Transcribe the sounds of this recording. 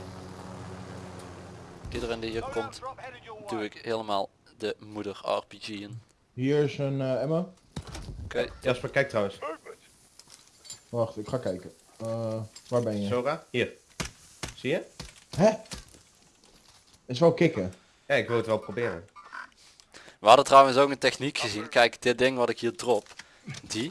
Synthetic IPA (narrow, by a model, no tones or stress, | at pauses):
idərəndiəkʰomtd̥uɪkheːləma̰ːlˠ | dəmudəra̰rb̥id͡ʒiən | hiəɹɪsənɛmə | kjɛspakɛjk̚trawəns | ʋaxtɪkχaːkɛjkə | ʋaːɹbɛnjəsoːraːhiːɹ | sijəɦɛ | ɪsʋɛlˠkɪkə | jaɪkʋɪlˠətʋɛlˠprobɪːɾə | ʋəɦɑdəntrawənsowkəntɛxnikxəzinkɛjkd̥ɪt̚dɪŋʋɑtɪkɦiːɹdrop | di